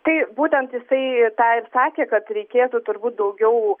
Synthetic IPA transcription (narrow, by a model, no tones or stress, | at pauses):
t̪ɐɪbuːt̪ʲɛnt̪jɪsɐɪt̪ɑːɪpsɑːkʲeːkɐt̪ɾʲɛɪkʲeːt̪ut̪ʊɾbuːt̪̚d̪ɐʊɡʲɛʊ